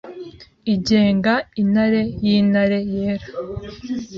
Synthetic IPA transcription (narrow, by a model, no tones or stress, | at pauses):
iɟeːŋɡain̥haɾe̞jiːnaɾe̞jeːɾḁ